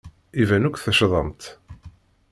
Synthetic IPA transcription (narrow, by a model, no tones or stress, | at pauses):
ivænukʷθəʃðˤɑmt̪